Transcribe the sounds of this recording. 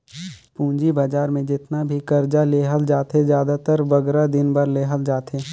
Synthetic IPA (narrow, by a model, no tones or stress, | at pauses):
pũːnd͡ʒibəd͡ʒaːɾmẽd͡ʒɪt̪nabʱikəɾd͡ʒaleːɦəld͡ʒjaːt̪ɦezjaːd̪at̪əɾʋɐɡɾad̪ɪnbəɾleːɦəld͡ʒaːt̪ɦeː